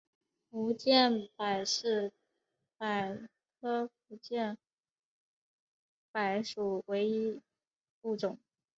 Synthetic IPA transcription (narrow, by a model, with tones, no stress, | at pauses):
u˧˥t͡ɕjɛ˥˩npa˨˩ɪʂɻ̩˥˩ | pa˨˩ɪ | kʰɤ˥fu˧˥t͡ɕjɛ˥˩n | pa˧˥˩ɪʂu˨˩we˧˥ɪi˥ | pu˥˩ʈ͡ʂʊ˨˩˦ŋ